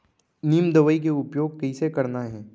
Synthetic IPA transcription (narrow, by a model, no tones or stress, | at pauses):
niːmd̪ɐʋəik̬eʊpjoːɡ̚kɐisekɐɾnaɦɛ̃ː